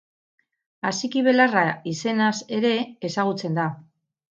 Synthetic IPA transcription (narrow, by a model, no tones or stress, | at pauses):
asikiβ̞e̞laraise̞nase̞ɾe̞ːsaɣ̞ut͡se̞nd̪a